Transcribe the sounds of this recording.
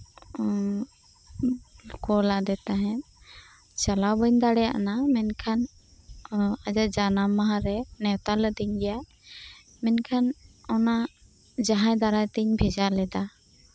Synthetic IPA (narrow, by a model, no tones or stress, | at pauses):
kɔlad̪ɛt̪aɦɛ̃ | t͡ʃalawbəɲd̪aɽɛja̰ʔnamɛnkʰan | ad͡ʒaʔd͡ʒanamaɦãɾɛnɛwt̪aləd̪iɲɡɛjaʔ | mɛnkʰanɔna | d͡ʒaɦãjd̪aɾajt̪iɲbʱɛd͡ʒalɛd̪a